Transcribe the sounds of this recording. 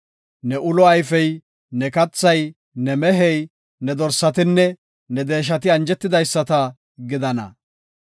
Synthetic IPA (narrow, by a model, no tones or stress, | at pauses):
nɛʔʊlɔɐjfɛj | nɛkɐt͡sːɐj | nɛmɛɦɛj | nɛd̪ɔɾsːɐt̪ɪnːɛ | nɛd̪e̞ːʃ̬ɐt̪̬ɪɐnd͡ʒɛt̪ːɪd̪ɐjsːɐt̪ɐ | ɡɪd̪ɐnɐ̰